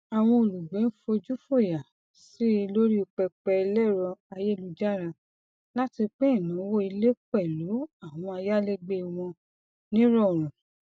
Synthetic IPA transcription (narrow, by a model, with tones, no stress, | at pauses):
a˨w̃ɔ̃˧o˨lu˨ɡ͡bẽ˨˦n̩˦fo˧d͡ʒu˦fo˦˨ja˨ | si˦˧lo˦ɾi˦o˧k͡pɛ˧k͡pɛ˧lɛ˦˨ɾɔ˧a˧je˦˨lu˧d͡ʒa˦˨ɾa˧ | la˦ti˧k͡pe˦ĩ˦˨nã˨˦wo˦i˧le˦k͡pɛ˦˨lu˨˦a˦˨w̃ɔ̃˧a˧ja˦le˦ɡ͡be˧w̃ɔ̃˧ | nĩ˦ɾɔ˦˨ɾ̃ũ˨